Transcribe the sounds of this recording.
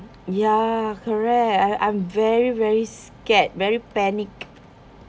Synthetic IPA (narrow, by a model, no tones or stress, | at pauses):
jakʰɔɹɛk̚tãʔã̰jmvɛɹivɛɹiskɛt̚vɛɹipɛnik